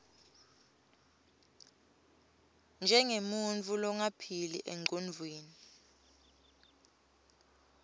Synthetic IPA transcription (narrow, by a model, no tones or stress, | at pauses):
nd͡ʒʱɛŋemunt͡fʰʼulɔŋapʰilḭʔeŋ͡ǃʱonvʱweːni